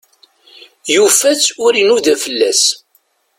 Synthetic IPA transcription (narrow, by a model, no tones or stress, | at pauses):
jufæt͡sːʊɾinuðæfəlːæs